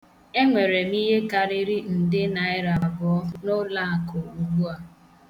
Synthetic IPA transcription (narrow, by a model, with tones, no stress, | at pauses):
e˦ŋʷe˨ɾe˨mi˦ɦe˦ka˨ɾi˦ɾi˦n̩˨dɪ˦na˨ɪ˦ɾa˨bɔ˨ɔ˦no˦la˦a˨kʊ˨u˨ɡu˦a˨